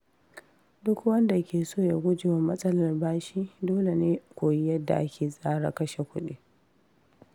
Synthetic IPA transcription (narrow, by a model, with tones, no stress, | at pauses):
dʊ˦kwɐ˦nda˨kʲeː˨soː˦˨ja˨ɡʷʊ˦d͡ʒɪ˨wa˨mɐ˦sʼɐ˦lɐ˨rbaː˦ʃi˦doː˦le˨neː˦kʷoː˨ji˦jɐ˦dːa̰˨ʔa˦kʲeː˨sʼaː˦ɽa̰˨kɐ˦ʃe˨kʷʊ˦ɗḭː˦